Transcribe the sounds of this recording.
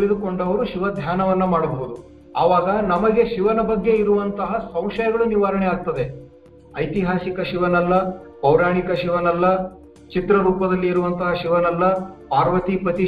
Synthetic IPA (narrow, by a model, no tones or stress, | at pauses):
lid̪uko̞ɳɖɐʋɐɾuʃiʋɐd̪ʱjaːnɐʋɐnːɐmaːɽɐboɦud̪u | ɐʋaːɡɐnɐmɐɡe̞ʃiʋɐnɐbɐɡːe̞iɾuʋɐnt̪ɐɦɐsɐ̃w̃ʃɐjɐɡɐɭuniʋaːɾɐɳeaːɡ̚t̪ɐd̪e̞ | ɐjt̪iɦaːsikɐʃiʋɐnɐlːɐpɐwɾaːɳikɐʃiʋɐnɐlːɐ | t͡ʃit̪ɾɐɾuːpɐd̪ɐlːiːɾuʋɐnt̪ɐɦɐʃiʋɐnɐlːɐpaːɾʋɐt̪ipɐt̪i